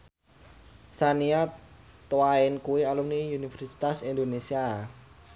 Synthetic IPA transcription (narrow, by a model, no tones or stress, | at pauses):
saniat̪waɪnkuwialumniunifɛrsi̥t̪asind̪onesia